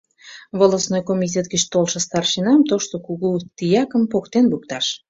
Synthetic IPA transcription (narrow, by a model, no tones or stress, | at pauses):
βolosnojkomitʲet̪ɡət͡ɕt̪olʃə̆st̪ɑrʃinɑmt̪oʃt̪okuɣut̪ijɑkəmpokt̪enβuk̚t̪ɑʃ